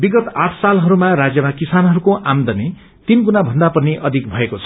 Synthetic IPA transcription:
biɡʌt̪aʈʰsalɦʌɾumaɾad͡zjʌmakisanɦʌɾukoʔamd̪ʌne | t̪inɡunabʱʌnd̪apʌniʔʌd̪ʱik̚bʱʌekot͡sʰʌ̥

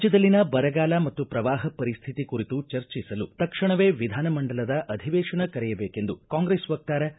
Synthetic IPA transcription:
t͡ʃɐd̪ɐlːinɐbɐɾɐɡaːlɐmɐt̪ːupɾɐʋaːɦɐpɐɾist̪ʰit̪ikuɾit̪ut͡ʃɐɾt͡ʃisɐlut̪ɐkʂɐɳɐʋeːʋid̪ʱaːnɐmɐɳɖɐlɐd̪ɐʔɐd̪ʱiʋɛːʂɐɳɐkɐɾɛjɐbeːkend̪ukaːŋɡɾesʋɐk̚t̪aːɾɐ

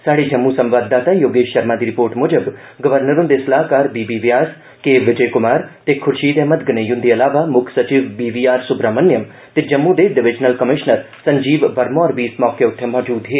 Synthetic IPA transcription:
saːɽed͡ʒɐmːusɐ̃mʋaːd̪ːaːt̪ajoːɡeːʃɐɾmãːd̪iɾɪpoːɾʈmʊd͡ʒəb | ɡɐʋəɾnəɾũnd̪esɐlaːɦkaːɾbiːbiːʋjaːs | keːʋɪd͡ʒəjkʊmaːɾt̪ekʰʊɾʃiːd̪emɐd̪̚ɡənejʊ̃nd̪iɐlaːʋamʊkʰsɐt͡ʃiʋbiːʋiːaːɾsʊbɾaːmɐnjɐm | t̪ed͡ʒɐmːud̪eɖɪʋɪd͡ʒnəlkɐmɪʃnəɾ | sɐɲd͡ʒiːʋʋɐɾmoɔːɾʋiːsmɔːkeʊt̪ʰjɐmɔːd͡ʒuːd̪ɦeː

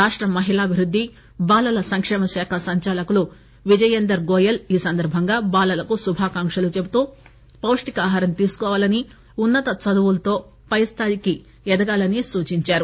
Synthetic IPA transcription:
aːʂʈɾɐmɐɦilaːbʱiɾud̪ʱːi | baːlɐlɐsɐŋkʂɛːmɐʃaːkʰɐsɐɲt͡ʃaːlɐkulu | ʋid͡ʒɐjend̪ɐɾɡoːjɐliːsɐnd̪ɐɾbʱɐŋɡaːbaːlɐlɐkusubʱaːkaːŋkʂɐlut͡ʃe̞but̪uː | pɐwʂʈikaːɦaːɾɐmt̪iːsu̥kɔːʋaːlɐni | unːɐt̪ɐt͡sɐd̪uʋulɐt̪o̞ː | pɐjst̪ʰaːjiki | ɛd̪ɐɡaːlɐnisuːt͡ʃiɲt͡ʃaːɾu

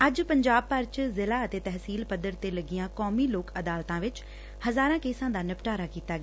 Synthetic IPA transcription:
əd͡ʒpəɲd͡ʒaːb̚pəɾt͡ʃzɪlaːət̪eːt̪ɛɦsiːlpəd̪əɾt̪eːləɡɪjãːkɔːmiːloːkəd̪aːlt̪ãːʋɪt͡ʃ | həzaːɾãːkeːsãːd̪aːnəpʈaːɾaːkiːt̪aːɡaː

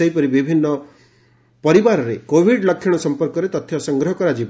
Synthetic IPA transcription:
ɔjpɔɾibibʱinːɔ | pɔɾibaɾɔɾekobʱiɖlɔkʰjɔɽ̃ɔsɔmpɔɾkɔɾet̪ɔt̪ʰjɔsɔŋɡɾɔɦɔkɔɾad͡ʒib

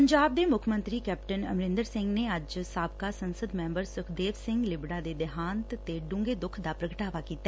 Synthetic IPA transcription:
pəɲd͡ʒaːb̚d̪eːmʊkʰmə̃nt̪ɾiːkɛːpʈənə̰mɾɪ̃nd̪əɾsɪ̃ŋɡneːəd͡ʒsaːbkaːsənsəd̪mɛ̃ːmbəɾsʊkʰd̪eːʋsɪ̃ŋɡlɪbɽaːd̪eːd̪ɪɦaːnt̪t̪eɖʊ̃ːŋɡeːd̪ʊkʰd̪aːpɾəɡəʈaːʋaːkiːt̪ːa

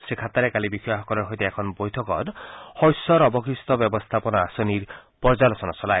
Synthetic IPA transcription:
sekʰat̪aɾekalibikʰiaɦɔkɔɾɔɾɦɔjt̪iekʰɔnbɔjt̪ʰɔkɔ̰ɾhɔjsɔɾɔbɔkʰist̪ɔbjɔbɔst̪ʰapɔnɔasɔniɾpɔɾd͡ʒalɔsɔnasɔlaj

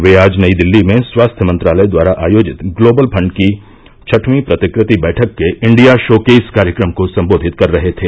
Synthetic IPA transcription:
ʋeːaːd͡ʒnɐid̪ɪlːimẽswaːst̪ʰjəmɐ̃nt̪ɾaːləjd̪waːɾaʔaːjoːd͡ʒɪt̪ɡloːbəlpʰɐ̃ɳɖki | t͡ʃʰɐʈʰmipɾɐt̪ɪkɾɪt̪ibɛːʈʰəkːeʔɪ̃ɳɖijaʃoːkeːɪskaːɾjəkɾəmkosɐ̃mboːd̪ʱɪt̪kɐɾːɐɦet̪ʰeː

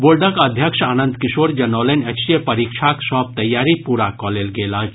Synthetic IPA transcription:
bolɖəkɐd̪ʱjəkʃaːnənd̪kiʃoːɾd͡ʒɐnəʋlənʲɐkʃijəpɐɾikʃʰaksɔːb̚t̪ɐjːaːɾipuɾakɔlelɡeːlad͡ʒ

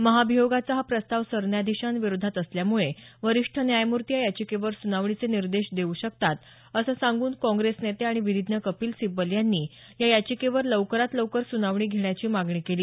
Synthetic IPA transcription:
məɦabʱijoɡat͡saɦapɾəst̪aʋsəɾɳjad̪iɕãnʋiɾod̪ʱat̪əsljamuɭeʋəɾiʂʈʰənjajmuɾt̪ijajat͡ɕiːkeʋəɾsunaʋɳ̃it͡seniɾd̪eɕd̪euːɕək̚t̪at̪ | əsəsãŋɡuːnkɔ̃ŋɡɾesnet̪eaɽ̃iʋiʋid̪ʱnəkəpiːlsibəljanːiː | jajat͡ɕiːkeʋəɾləwkəɾat̪ləwkəɾsunaʋɳiːɡʱeɳjat͡ɕiːmaɡɳiːkeliː

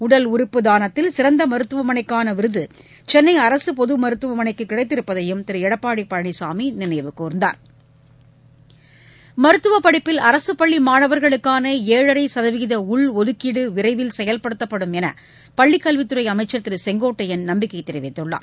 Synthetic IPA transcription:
ʊɽɐlʊɾɯpːɯd̪aːnɐt̪ːɪlsɪɾɐnd̪ɐmɐɾɯt̪ːɯʋɐmɐnɐɪkːaːnɐʋɪɾɯðɯ | t͡ʃɛnːɐɪɐɾɐsɯpɔðɯmɐɾɯt̪ːɯʋɐmɐnɐɪkːɯkːɪɽɐɪt̪ːɪɾɯpːɐðɐjɯmt̪ɪɾɯɛɽɐpːaːɽipɐɻɐɳisaːminɪnɐjʋɯkːuːɾnd̪a̰ːɾ | mɐɾɯt̪ːɯʋɐpːɐɽɪpːɪlɐɾɐsɯpɐɭːimaːɳɐʋɐɾɣɐɭɯkːaːnɐeːɻɐɾɐɪsɐðɐʋɪɣɪðɐʊɭɔðɯkːɪɽɯʋɪɾɐɪʋɪlsɛjɐlpɐɽɯt̪ːɐpːɐɽɯmɛnɐ̰ | pɐɭːikːɐlʋɪt̪ːɯɾɐɪɐmɐɪt͡ʃːɐt̪ːɪɾɯsɛŋɡoːʈːɐjɛnnɐmbɪkːɐɪt̪ːɛɾɪʋɐɪt̪ːɯɭːa̰ːɾ

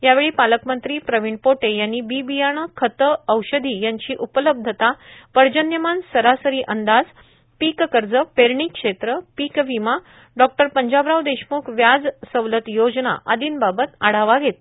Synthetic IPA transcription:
jaʋeɭiːpaləkmənt̪ɾiːpɾəʋiɳpoʈejanːiːbibijaɳ̃əkʰət̪əəwɕəd̪ʱiːjaɲt͡ɕiːʔupələb̚d̪ʱət̪apəɾd͡ʑənjəmansəɾasəɾiːʔənd̪ad͡z | pikkəɾd͡zəpeɾɳikʂet̪ɾəpikʋima | ɖɔk̚ʈəɾpəɲd͡ʑabɾawd̪eɕmuːkʰʋjad͡zsəʋlət̪jod͡zna̰ʔad̪iːnbabət̪aɽ̤aʋaɡʱet̪

